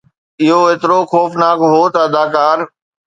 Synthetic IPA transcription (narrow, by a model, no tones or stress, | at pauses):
ɪɦoɦeːt̪ɪɾoxɔːfnaːkɦot̪ɐɐd̪aːkaːn